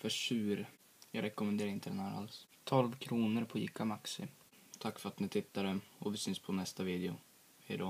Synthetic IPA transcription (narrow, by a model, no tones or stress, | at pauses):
fœʂʉ̟ːɾ | jɑːɡɾʔɛkʊmɛnd̪eːɾɪnt̪əd̪ɛnhæːɾa̰lst̪ʰɔlvkʰɾuːnəɾpʰɔjɪ̰ːkːamaksɪ̰ | t̪ʰakːfœɾat̪nɪt̪ʰɪt̪ːad̪əɔvɪsʏnspʰɔnɛst̪aviːd̪ɛʊ | ɛɪd̪ɑː